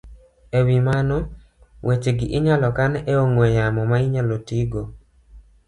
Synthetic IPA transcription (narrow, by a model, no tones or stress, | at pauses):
ewimanɔ | wʔet͡ʃeɡɪʔɪɲalɔkaneoŋojamɔmaiɲalotiɡo